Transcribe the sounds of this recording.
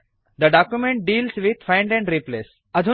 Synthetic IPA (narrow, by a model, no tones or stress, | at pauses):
d̪əɖaːkjumẽɳʈ̚ɖiːlzʋɪd̪fãɪ̃ɳɖɛ̃ɳɖɾipleːs | ɐd̪ʱu